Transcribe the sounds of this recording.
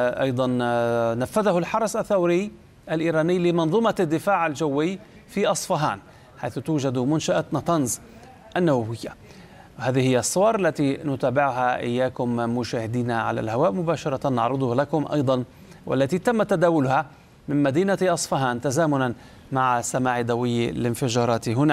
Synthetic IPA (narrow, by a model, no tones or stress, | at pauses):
ʔɑ̰jd̪ˤɑnnafːaðahʊlħɑɾˤɑsaθːawɾɪj | ʔalʔiːɾaːnɪjːlɪmɑnðˤumad̪ːɪfaːʕald͡ʒawːɪjː | fiʔɑsˤfɑɦa̰ːn | ħajθʊt̪uːd͡ʒad̪mʊnʃaʔanɑt̪ˤɑnz | ʔanːawawɪjːa̰ | whaːðɪhɪjːsˤːʊwɑɾˤʔalːat̪inʊt̪aːbɪʕʊɦaʔɪ̰jːaːkʊmːʊʃaːhɪd̪iːnaʕa̰la̰lhawaːʔmʊbaːʃɑɾˤɑt̪anːɑ̰ʕɾɨd̪ˤʊhlakʊmʔɑ̰jd̪ˤɑn | wʔa̰lːat̪it̪amːat̪ad̪aːwʊlʊha | mɪnmad̪iːnat̪ʔɑsˤfɑɦaːnt̪azaːmʊnan | maʕasːamaːʕid̪awɪjːlɪnfɪd͡ʒɑːɾˤɑːt̪iɦʊna